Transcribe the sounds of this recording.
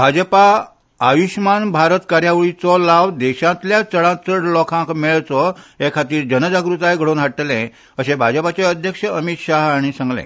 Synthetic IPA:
bʱad͡zəpaː | ʋiɕmanbʱaɾət̪kaɾjaʋɭit͡sɔlaʋd̪ɛɕãt̪ljat͡səɭãt͡səɽlɔkʰãkmeɭt͡sɔɦekʰat̪iːɾd͡ʑənəd͡zaɡɾut̪ajɡʱəɽoːnɦaʈːlɛ̃ | əɕẽbʱad͡zəpat͡ɕeəd̪ʱjəkʂəəmit̪ɕaɦaɽ̃isãŋɡlɛ̰̃

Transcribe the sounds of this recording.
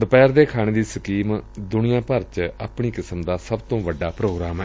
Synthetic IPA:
d̪əpɛːɾd̪eːkʰaːñeːd̪iːsəkiːmd̪ʊnɪjãːpəɾt͡ʃa̰ːpɳ̃iːkɪsəmd̪aːsəbt̪õːʋəɖːaːpɾoːɡɾaːmɛː

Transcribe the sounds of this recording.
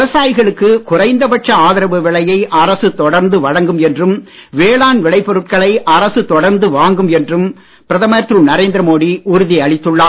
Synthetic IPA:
ʋɐsaːjɣɐɭɯkːɯkʊrɐɪnd̪ɐpɐʈt͡ʃːɐaːðɪɾɐʋɯʋɪɭɐjɐɪʔɐɾɐsɯt̪ɔɽɐɾnd̪ɯʋɐɻɐŋɡɯmɛndrɯm | ʋeːɭaːnʋɪɭɐɪpːɔɾɯʈ̚kɐɭɐɪʔɐɾɐsɯt̪ɔɽɐɾnd̪ɯʋaːŋɡɯmɛndrɯm | pɪɾɐðɐmɐjɐt̪ɾuːnɐɾeːnd̪ɾɐmoːɽiʊɾʊðiɐɭɪt̪ːɯɭːaː

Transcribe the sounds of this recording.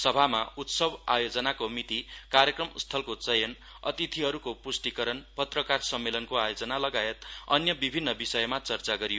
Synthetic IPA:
sʌbʱamaut̪sʌbajod͡zʌnakomit̪ikarjʌkrʌmst̪ʰʌlkot͡sʌjʌn | ʌ̰t̪it̪ʰiɦʌɾukopusʈikʌɾʌnpʌt̪rʌkarsʌmːelʌnkoajod͡zʌnalʌɡaet̪ʌ̰njʌbibʱinːʌbisʌjʌmat͡sʌrt͡saɡʌɾijo

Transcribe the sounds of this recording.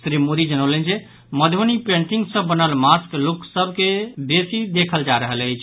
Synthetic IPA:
sɾimod̪id͡ʒənəwlənd͡ʒe | məd̪ʱonipẽɳʈiŋɡsə̃bːənəlmaskluksəbʱkebesid̪ekʰəld͡ʒaɾəɦələɪt͡ʃʰ

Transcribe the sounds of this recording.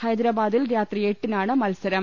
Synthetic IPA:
hɐjd̪ɾaːbaːd̪ilɾaːt̪rieʈːinaːɳɨmɐlsɐɾɐm

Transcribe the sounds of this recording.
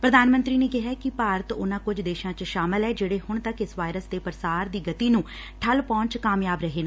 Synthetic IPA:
pɾəd̪aːnmə̃nt̪ɾiːneːkɪɦaːkɪpaːɾət̪ʊnãːkʊd͡ʒd̪eːʃãːt͡ʃʃaːmɪlɛːd͡ʒeːɽeːhʊɳ̃t̪əkɪsʋaːɪɾəsd̪eːpəɾsaːɾd̪iːɡət̪iːnũː | ʈʰəlpɔ̃ːɲt͡ʃkaːmjaːbɾəɦeːnaː

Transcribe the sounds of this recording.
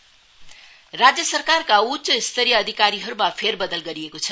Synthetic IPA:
rad͡zjʌsʌrkarkautsʌist̪ʰʌɾijʌːd̪ʱikaɾiɦʌɾumapʰerbʌd̪ʌlɡʌɾiekot͡sʰʌ

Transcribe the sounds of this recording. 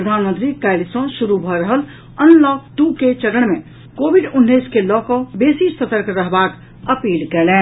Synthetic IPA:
pɾəd̪ʱanmə̃nt̪ɾikɛɪlsə̃suɾubʱɔɾəɦəl | ənlɔkt̪uket͡ʃəɾəɳ̃mẽ | koːbʱiɖunːiskelɔkɔbeːsisət̪əɾkɾəɦbak | əpiːlkɛlɛ̃ː

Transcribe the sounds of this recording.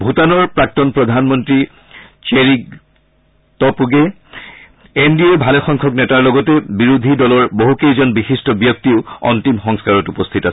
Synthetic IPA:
bʱutanɔɹpɹak̚tɔnpɹɔd̪ʱanmɔntɹi | t͡ʃeɹiɡ | tɔpuɡe | endiebʱalɛxɔŋkʰɔknɛtaɹlɔɡɔtɛbiɹud̪ʱidɔlɔɹboɦukejzɔnbixistɔbjɔk̚tiʊɔ̰ntimxɔŋskaɹɔtupɔst̪ʰitas

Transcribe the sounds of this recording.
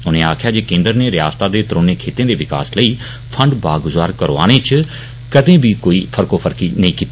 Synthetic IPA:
ʊnẽːaːkʰjaːd͡ʒeːkẽːnd̪əɾneːɾɪja̰ːst̪aːd̪eːt̪ɾoːneːkʰeːt̪ẽːd̪eːʋɪka̰ːsləiː | pʰəɳɖbaːɡʊzaːɾkəɾoːa̰ːɽ̃eːt͡ʃ | kəd̪ẽːbiːkoːiːpʰəɾkoːpʰəɾkiːnəĩːkiːt̪ːi

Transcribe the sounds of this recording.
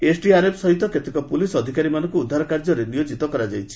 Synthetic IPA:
esʰɖiaɾepʰsɔɦit̪ɔket̪ekɔpulisɔd̪ʱikaɾimanɔŋkuːd̪ʱːaɾɔkaɾd͡ʒɔɾenijod͡ʒit̪ɔkɔɾad͡ʒajt͡ʃʰi̥

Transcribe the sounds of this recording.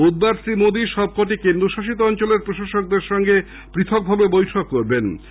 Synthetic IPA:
ud̪̚baɾsimod̪iʃɔb̚kɔʈ̬ikend̪ɾoʃaʃit̪̬oɔnt͡ɕoleɾpɾoʃaʃok̚d̪eɾʃɔŋɡe | pɾit̪ʰok̚bʱabebojʈʰokːoɾben

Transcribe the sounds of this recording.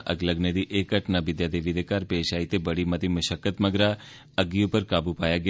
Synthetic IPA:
ʔə̰ɡləɡned̪iʔekəʈnaʋɪd̪jad̪eʋid̪ekaɾpeːʃait̪ebəɽimət̪iməʃəkːət̪məɡɾa | əɡiupəɾkaːbupajaɡ

